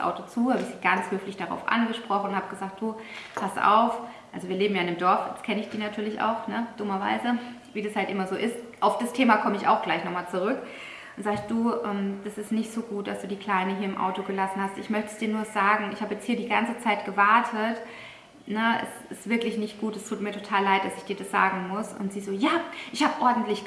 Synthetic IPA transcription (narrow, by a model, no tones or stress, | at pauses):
ʔa̰ʊtot͡suːhaːbəɪçz̥iːɡant͡shøːflɪçd̥aʁa̰ʊfʔa̰nɡəʃpʁ̥ɔχn̩ʊnhaːbəɡəzaːk̚t̚d̥uːpʰasʔa̰ʊf | ʔalzoviːɐleːbm̩jaːɪndeːmdɔɐfjɛ̰t͡skʰɛnəɪçd̥iːnatʰyːɐlɪçʔa̰ʊxnəd̥ʊmɐva̰ɪzə | viːdashaltʔɪmɐzoːʔɪstʔaʊfd̥astʰeːmakʰɔməɪça̰ʊxɡ̥laɪçnɔχmaːlt͡suʁ̞ʏk | ʔʊnzaːɡd̥uːʔɛːmd̥asɪstnɪçtz̥oːɡuːt̚d̥asd̥uːdiːkʰl̥aɪnəɦiːɐɪmʔa̰ʊtoɡəlasn̩hastɪçmœçtə̥sd̥iːɐnuːɐzaːɡŋ̩ɪçhaːbəjɛt͡sthiːɐdiːɡant͡sət͡saɪtɡ̥əvaɐtʰət | nəɛ̰sɪ̰stv̥ɪɐklɪçnɪçt̚ɡ̥uːtdɛstʰuːt̚miɐtʰotʰaːlːaɪt̚d̥asɪçd̥iːɐdasz̥a̰ːɡŋ̩mʊsʊ̰ntz̥iːzoːjaːʔɪçhaːbəʔɔɐdn̩tlɪç